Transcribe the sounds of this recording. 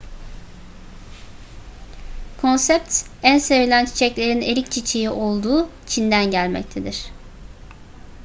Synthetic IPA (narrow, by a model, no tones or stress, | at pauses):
kʰo̞nsɛp̚t̪ | ænsevilʲænt͡ʃʰi̥t͡ʃʰɛclʲe̞ɾineɾʲic̚t͡ʃʰit͡ʃʰejiʔo̞lˠd̪uːt͡ʃʰind̪ænɟælʲmɛ̰c̚t̪ʰe̞d̪iɾ̝̥